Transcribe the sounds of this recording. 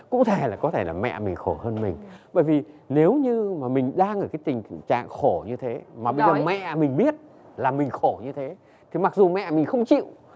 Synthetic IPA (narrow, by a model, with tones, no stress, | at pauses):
kʊ̰˧˥t̪ʰe˧˩laː˨˩kɔ˨˦t̪ʰe˧˩laː˨˩mɛ̰˧˨mï˨˩ŋ̟xo˧˩həː˧nmï˨˩ŋ̟ɓə̰ː˧˩jvi˨˩ne˨˦wɲɨ˧maː˨˩mï˨˩ŋ̟ɗaː˧ŋʔəː˧˩jkaː˨˦jt̪ï˨˩ŋ̟t͡ɕa̰ː˧˨ŋxo˧˩ɲɨ˧t̪ʰe˨˦maː˨˩ɓə˧zəː˨˩mɛ̰˧˨mï˨˩ŋ̟ɓi˦˥ət̚ | laː˨˩mï˨˩ŋ̟xo˧˩ɲɨ˧t̪ʰe˨˦ | t̪ʰi˨˩ma˨˩k̚zu˨˩mɛ̰˧˨mï˨˩ŋ̟xə˧wŋ͡mt͡ɕḭ˧˨w